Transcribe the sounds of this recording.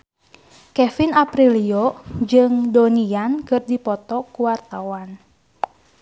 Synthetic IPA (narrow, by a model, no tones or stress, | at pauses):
kɛfinapɾiliod͡ʒɨŋdoniankɨrdipɔt̪ɔkuwart̪awan